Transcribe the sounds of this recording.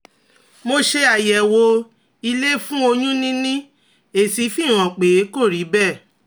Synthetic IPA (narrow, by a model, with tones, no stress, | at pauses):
mo˧ʃe˧a˨jɛ˨wo˧ | i˧le˦fũ˦o˧jũ˦nĩ˦nĩ˦ | e˨si˨˦fi˦˨ɾ̃ã˨k͡pe˨˦ko˦˨ɾi˨˦bɛ˦˨